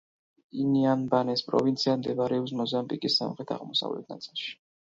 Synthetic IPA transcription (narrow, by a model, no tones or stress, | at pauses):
inianbanɛspʼɾɔ̰vint̪sʰiamd̪ɛbaɾɛɔpsmɔzambikʼisːa̰mχɾɛt̪ʰa̰ʁmɔsa̰vlɛ̰t̪̚ʰnat̪sʼilˠʃi̥